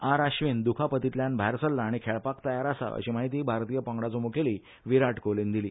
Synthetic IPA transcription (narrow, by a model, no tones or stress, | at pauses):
aɾaɕʋind̪ukʰapət̪it̪ljanbʱaɾsəlːaːɽ̃ikʰeɭpakt̪əjaɾasa̰ə̰ɕiːmaɦit̪̬iːbʱaɾt̪ijəpə̃ŋɡɽat͡somukʰeliː | ʋiɾaʈkolind̪iliː